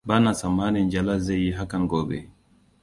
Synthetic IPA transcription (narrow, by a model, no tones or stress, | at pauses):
banasamːanɛnd͡ʒalazejiɦakanɡɔbɛ̰